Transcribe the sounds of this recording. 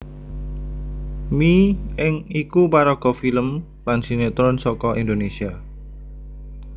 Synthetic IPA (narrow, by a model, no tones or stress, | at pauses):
miɪŋikupaɾɔɡ̥ɔ̤filəm | lansinet̪ɾʊnsɔkɔʔind̪onesia